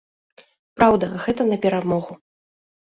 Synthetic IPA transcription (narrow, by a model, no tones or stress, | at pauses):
pɾawd̪ɐɣɛt̪ɐnɐpʲɛɾamɔɣu